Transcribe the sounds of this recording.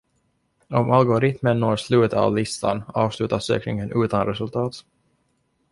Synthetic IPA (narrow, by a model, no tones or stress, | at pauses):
ɔmʔalɡʊɾɪt̪mənːoːɾʂlʉ̟ːt̪a̰vlɪst̪ʰa̰nɑːvslʉ̟ːt̪aʂø̰ːknɪŋənʔʉ̟ːt̪anɾɛsɵlt̪ʰɑːt̪